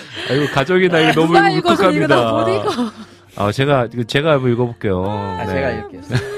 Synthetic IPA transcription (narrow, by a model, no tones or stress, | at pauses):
aiɡokad͡ʑʌɡinaiɡenʌmuɡmuakʰamɲida | a̰t͡ɕe̞ɡaɡɯt͡ɕe̞ɡabʌiɭɡʌbok͈e̞jonee